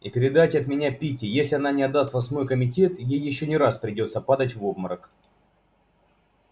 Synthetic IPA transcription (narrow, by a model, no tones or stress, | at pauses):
ɪpʲɪɾʲɪd̪atʲɐt̪mʲɪnʲapʲitʲɪjesʲlʲɪɐnanʲɪɐd̪ːast̪vɐsʲmo̞jkəmʲɪtʲe̞t̪jejːɪɕːonʲɪɾaspɾʲɪdʲo̞t̪səpad̪ətʲvobməɾək